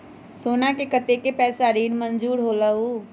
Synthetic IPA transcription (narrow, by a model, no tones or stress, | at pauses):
soːnakekət̪ekepɛːsaɾiːnmənd͡ʒuːɾɦoːləuː